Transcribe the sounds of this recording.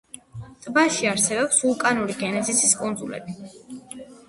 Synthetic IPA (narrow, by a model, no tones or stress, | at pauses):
t̪ʼbaʃiaɾsɛbɔpsulˠkʼanuɾiɡɛnɛt̪sʰʼisiskʼund̪zulɛ̰bi